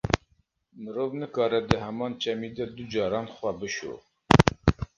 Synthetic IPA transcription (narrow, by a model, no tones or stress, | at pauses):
mɨɾoːvnɨkɑːɾɛd̪əɦɛmɑːnt͡ʃʰɛmiːd̪ɛd̪ud͡ʒɑːɾɑːnxwæbɨʃo̰ː